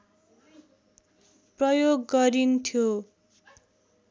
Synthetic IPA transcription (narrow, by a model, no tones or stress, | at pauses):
prʌjoɡːʌɾint̪ʰjo